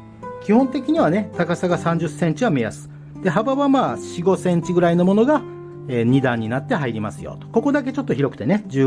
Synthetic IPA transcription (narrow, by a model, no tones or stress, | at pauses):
kʲihõ̞nt̪e̞kʲiɲ̟iβane̞t̪akasaɡasãɲ̟d͡ʑɨsẽ̞ɲ̟t͡ɕiβamejasɨ̥ | d̪̥e̞ɦabaβamaːɕiɡo̞sẽ̞ɲ̟t͡ɕiɡɯ̟ɾaino̞mo̞no̞ɡa | eːɲ̟id̪ãɲ̟ːinat̪ːe̞ɦaiɾʲimasɨjo̰t̪o̥koko̞d̪ak̬e̞t͡ɕo̞t̪ːoçiɾo̞kɯ̟̥t̪e̞ne̞d͡ʑɨː